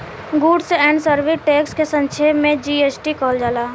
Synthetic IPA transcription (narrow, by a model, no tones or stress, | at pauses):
ɡuːɖsɛ̃ːɳɖsəɾʋiʈeːkskesə̃nt͡ʃʰeːmẽd͡ʒiːeːt͡ʃʈikɔːld͡ʒaːlaː